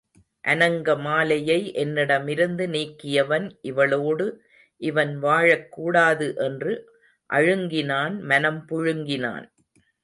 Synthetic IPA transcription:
ʔɐnɐŋɡɐmaːlɐjɐɪʔɛnːɪɽɐmɪɾɯnd̪ɯniːkːɪjɐʋɐnʔɪʋɐɭoːɽɯ | ʔɪʋɐnʋaːɻɐkːuːɽaːðɯʔɛndrɯ | ʔɐ̰ɻɯŋɡɪnaːnmɐnɐmpʊɻɯŋɡɪna̰ːn

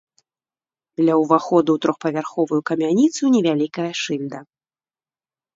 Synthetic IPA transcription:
d̪lʲɐwvaxɔd̪uwt̪ɾɔxpɐvʲarxɔvujukɐmʲanʲit̪sunʲɛvʲalʲikɐjɐʂɨlʲd̪ɐ

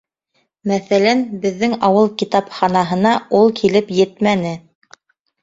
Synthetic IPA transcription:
mæθælænbɘ̆ðːɘŋɑwɤlˠkit̪ɑpχɑnɑɦɤ̆nɑulˠkʰilɘpjɘt̪mænɘ

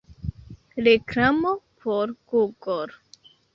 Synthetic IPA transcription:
ɾekɾamopʰoɾɡuɡoɾ

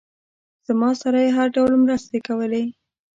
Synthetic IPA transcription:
z̥mɑsaɾajeɦaɾɖawlmɾəst̪ekawəle

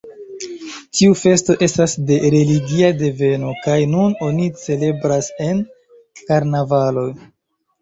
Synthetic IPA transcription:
tiufe̞sto̞ʔe̞stasde̞ɾe̞liɡiade̞ve̞no̞kajnuno̞nit͡se̞le̞bɾase̞n | kaɾnavalo̞j

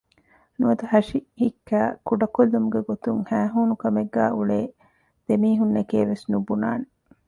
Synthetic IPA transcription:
nuɐd̪uɦɐʃihikːæːkuɖɐkolːumuɡeɡot̪uŋhæːɦuːnukɐmeɡːæːʔuɭeː | d̪̥emiːɦunːekeːʋesnubuna̰ːne

